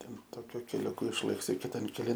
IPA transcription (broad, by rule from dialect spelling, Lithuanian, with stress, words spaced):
ˈtʲɛn ˈtoːkʲʊ kʲɛlʲʊˈkʊ ɪʃˈlˠɘksʲɪ kʲɪˈtɐn kʲɛˈlʲɪn